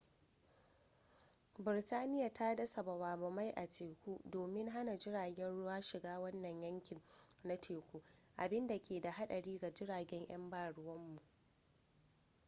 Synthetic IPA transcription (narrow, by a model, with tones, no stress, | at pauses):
bɪ˨ɾtaː˦nɪ˦ja˨ta˦dɐ˦sɐ˨bɐ˨waː˨bɐ˨ma˦jʔa˨teː˨kʷuː˦doː˨mɪ˦ŋɦa˦na˨d͡ʒɪ˦ɽaː˨ɡʲɛ˦nɽʊ˦waː˦ʃɪ˨ɡaː˦wɐ˦nːɐ˨ɲjɐ˦ŋkʲɪ˨ŋna˦tʰeː˨kʷuː˦ʔa˨bɪ˦nda˨kʲʰeː˨da˨ɦa˦ɗɐ˨ɽiː˦ɡa˨d͡ʒɪ˦ɽaː˨ɡʲɛ˦ɲʔɐ˦mbaː˨ɽʊ˨wɐ˦mːu˨ʔ